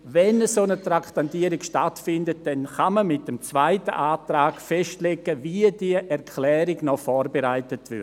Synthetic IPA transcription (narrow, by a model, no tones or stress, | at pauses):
vɛnəsoːnətraktantiəɾɪkʃtatfɪndət̚d̥ɛnχaməmɪt̚dəmt͡svaɪtə̰ʔaːtɾaːɡfɛʃtleɡəviədiəʔɛɾkʰlɛːɾɪɡnɔfɔːɾbeɾaɪtətvʏ̰